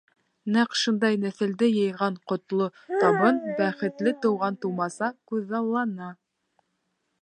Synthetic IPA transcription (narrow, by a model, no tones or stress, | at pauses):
næqʃɤ̆nd̪ɑjnæ̆θɘ̆ld̪ɘjɤ̆jʁɑɴqŏt̪lˠot̪ɑβɤnbæχɘ̆t̪lɘt̪ɤ̆wʁɑnt̪uwmɑsɑkʉðɑlˠːɑnɑ